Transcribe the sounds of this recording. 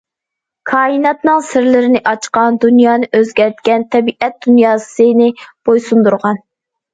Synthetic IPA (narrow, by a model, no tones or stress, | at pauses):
kʰɑːinɑt̪nɨŋsɪɾlɪɾɪnɪʔɑt͡ʃqɑnd̪unjɑːnɨʔøzɡʲɛɾt̪̚kʲɛnt̪ʰɛbiʔɛt̪̚d̪̥unjɑːsɨnɪb̥ojsund̪uɾʁɑn